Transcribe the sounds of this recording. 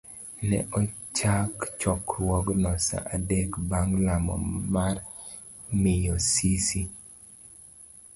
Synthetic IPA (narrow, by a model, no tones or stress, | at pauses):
nɛ̰ʔɔt͡ʃakt͡ʃɔkɾwɔɡnɔsa̰ʔadekbaŋlamɔ̰mar | mɪjɔsisi